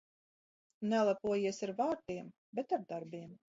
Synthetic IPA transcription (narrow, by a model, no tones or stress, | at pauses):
nɛlˠapuɔjiɛsaɾvaːɾt̪iɛm | bɛt̪aɾd̪aɾbiɛm